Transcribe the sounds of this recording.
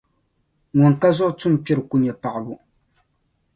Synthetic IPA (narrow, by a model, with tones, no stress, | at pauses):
ŋʊ˨ŋ˨ka˦zʊ˦ʔʊ˦tʊ˦m˨pɪ˦ɾɨ˨ku˦ɲɛ˨pa˨ʔa˨bʊ˨